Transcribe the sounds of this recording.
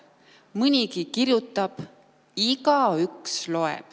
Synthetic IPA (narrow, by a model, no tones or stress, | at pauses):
mɨnʲikikiɾjut̪ːˑɑb̥ | iɡɑykslo̞ḛb̥